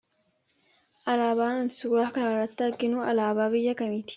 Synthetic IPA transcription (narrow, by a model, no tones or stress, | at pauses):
ʔɐlaːbaːnɐnsʊɡaːkɐɾaːrːɐt̪ːɪɐɾɡɪnuːʔɐ̰laːbaːbɪjːɐkɐmiːt̪ɪ̥